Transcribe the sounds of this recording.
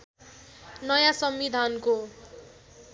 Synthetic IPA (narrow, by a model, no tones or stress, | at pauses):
nʌjasʌmbid̪ʱanko